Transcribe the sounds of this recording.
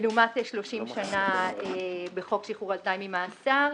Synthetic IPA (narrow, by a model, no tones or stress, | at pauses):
lumateʃlo̞ʃimʃanaebeχo̞kʃiχuʁaltajmimaːsaʁ